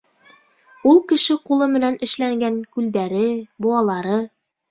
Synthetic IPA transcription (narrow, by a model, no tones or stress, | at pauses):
ulˠkɘ̆ʃɘqulˠɤmɘ̆nænʔɘ̆ʃlæŋɡæŋkʉld̪æɾɘbŏɑlˠɑɾɤ